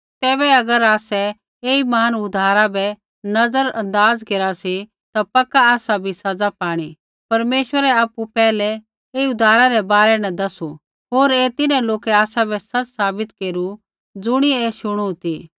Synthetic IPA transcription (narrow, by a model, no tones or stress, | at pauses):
t̪ɛːbɛɐɡəɾaːsɛ | eːimaːnʊd̪ʱaːɾabɛ | nɐd͡zəɾɐ̃nd̪aːd͡zkeɾasi | t̪apɐkaːsabʱisɐd͡zapaːɽ̃i | pɐɾmeːʃwəɾɛaːpupɛːlɛ | eːiʊd̪ʱaːɾaɾɛbaːɾɛnɐd̪ɐsu | ɦoːɾeːt̪ɪnãloːkɛaːsabɛsɐt͡ssaːbɪt̪keːɾu | d͡zʊɽ̃ieːʃʊɽ̃ut̪i